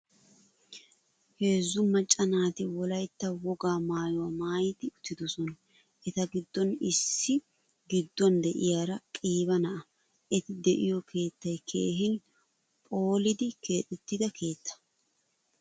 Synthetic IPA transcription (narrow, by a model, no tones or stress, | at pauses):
he̞ːzːʊmɐt͡ʃʼːɐnaːt̪ɪwɔlɐjt̪ːɐwɔɡaːmaːjɔwamaːjɪt̪ɪʊt̪ːɪd̪ɔsɔnɐ | ʔɛt̪ɐɡɪd̪ːɔnɪsːɪ | ɡɪd̪ːɔnd̪ɛʔɪ̰jaːɾɐkʼiːbɐnɐʔɐ | ʔɛt̪ɪd̪ɛʔɪjɔkʰe̞ːt̪ːɐjkʰḛːɦɪn | pʼo̞ːlɪd̪ɪkʰe̞ːt̪ʼɛt̪ːɪd̪ɐkʰe̞ːt̪ʰːɐ̥